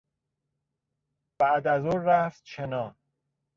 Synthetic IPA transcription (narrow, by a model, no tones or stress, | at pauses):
b̥æʔd̪æzoːɾæft̪̚t͡ʃʰenɒː